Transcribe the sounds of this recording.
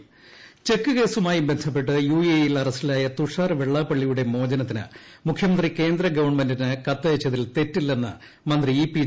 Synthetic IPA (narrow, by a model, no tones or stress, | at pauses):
t͡ɕe̞kːɨke̞ːsumaːjibent̪ʰɐp̬ːe̞ʈ̬ːɨjuːiejilɐrɐsilaːjɐt̪uʂaːrʋeɭːaːpːɐɭːijuɽe̞mo̞ːd͡ʑɐnɐt̪ːinɨ̰mukʰjɐmɐnd̪rike̞ːnd̪ɾɐɡɐʋɐɳmendinɨkɐt̪ːɐjɐt͡ɕːɐðilt̪e̞tːilːenːɐ̰ | mɐnd̪riiːpi